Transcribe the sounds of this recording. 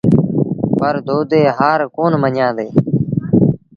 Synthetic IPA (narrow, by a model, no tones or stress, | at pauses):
pəɾd̪ʱoːd̪eːɦaːɾkoːnməɲjãːd̪eː